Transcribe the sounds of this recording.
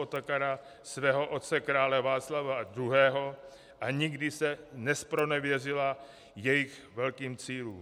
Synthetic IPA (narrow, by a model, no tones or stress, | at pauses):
ot̪akaɾa | svɛːɦo̞ʔo̞t̪̚t͡sɛkɾaːlɛvaːtt͡slavaad̪ɾuɦɛːɦo̞ | ʔaɲɪɡdɪsɛnɛspɾo̞nɛvjɛrɪla | jɛjɪx | vɛlkiːmt͡siːluːm